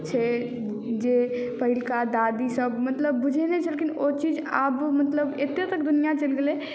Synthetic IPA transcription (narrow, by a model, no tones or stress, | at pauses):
t͡ʃʰɛ | d͡ʒe | pəɦɪlkad̪aːd̪isəbmɐt̪ləbːʊd͡ʒʱenet͡ʃʰɛlekinot͡ʃiːd͡ʒaːbmət̪ləbet̪et̪əkd̪ʊnijat͡ʃɐlɡele